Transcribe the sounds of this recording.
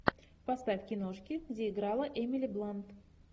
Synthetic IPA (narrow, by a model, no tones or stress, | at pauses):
past̪afʲkʲɪnoʂkʲɪzəjɪɡɾɑlˠəʔemʲilʲɪblˠant̪